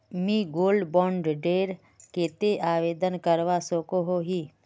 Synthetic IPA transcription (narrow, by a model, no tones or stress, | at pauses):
mĩːɡoːlɖbɔ̃ːɳɖɖeːɾ | keːt̪eʔaːʋeːd̪ənkəɾʋasoːkoɦoɦiː